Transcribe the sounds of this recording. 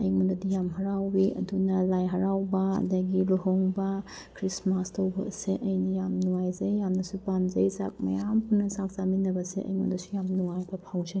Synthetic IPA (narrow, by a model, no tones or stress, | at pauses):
ɐjmundɐdijamɦɐɾawbiʔɐ̰dunɐlajɦɐɾawbɐɐ̰daɡiluɦoŋbɐ | kʰɾismastʰɐwbɐ̰seʔɐjnɐjamnuwajzɐjːamnɐsupanzɐjsa̰k̚mɐ̰jampʰunːɐsak̚saminɐbɐsḛɐ̰jmṵndɐsu̥jamnuwajbɐpʰawzan